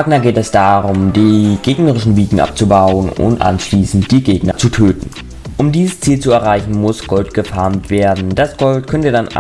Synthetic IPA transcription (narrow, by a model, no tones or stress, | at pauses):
aːɡnɐɡeːtɛsd̥aːʁʊmdiːɡ̥eːɡnəʁɪʃn̩viːɡŋ̩ʔa̰p̚t͡subaʊənʊ̰ntʔa̰nʃliːsn̩t̚d̥iːɡeːɡnɐt͡sutʰøːtn̩ | ʔʊmdiːzəst͡siːlt͡suɛɐʁ̞aɪçn̩mʊsɡ̥ɔltɡ̥əfaɐmtv̥eːɐdn̩d̥asɡ̥ɔltkʰœntədan